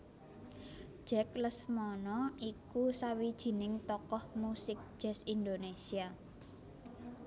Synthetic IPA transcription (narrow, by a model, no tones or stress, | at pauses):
ʒ̥ɛ̤kləsmɔnɔikusawid̥ʒ̥i̤nɪŋt̪ɔkɔhmusɪk̚d̥ʒ̥ɛ̤sind̪onesia